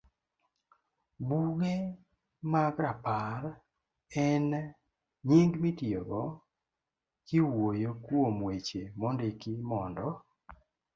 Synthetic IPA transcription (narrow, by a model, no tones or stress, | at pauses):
buɣe | maɡɾapaɾ | ɛn | ɲiŋɡmitioɡɔ | kɪwojokwomwet͡ʃemɔndekɪmɔndɔ